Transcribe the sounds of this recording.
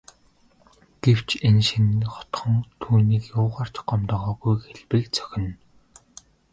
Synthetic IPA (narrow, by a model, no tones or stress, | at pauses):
ɡ̥ew̥t͡ɕʰenʃĭnχɔ̥t̪χɞ̆ŋt̪ʰuːniːkjʊːʁaːr̥t͡ɕɢɔmt̪ɔːʁɔːɣujxeɮpɘ̆kt͡sœ̥xʲɪ̆n